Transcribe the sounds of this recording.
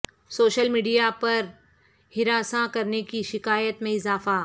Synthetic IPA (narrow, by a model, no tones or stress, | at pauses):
soːʃəlmiːɖijapɐɾ | hɪɾaːsãkɐɾnekiʃɪkaːjət̪mẽɪzaːfaː